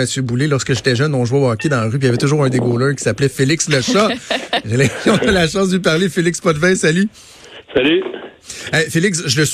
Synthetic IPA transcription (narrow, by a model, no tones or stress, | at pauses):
əsjøbulelɔʁskəʒet̪ɛʒœnɔ̃ʒwabɑkʲed̪ɑ̃ʁyp̬ijavɛt̪ʊʒuːʁɛ̃d̪eɡoːlə˞kʲi̥saplɛfelɪksləʃaʒəlɛɔ̃nalaʃɑ̃sd̪əpaʁlefelɪkspɔd̪vɛ̃saly | saly | ɛfelɪksʒələs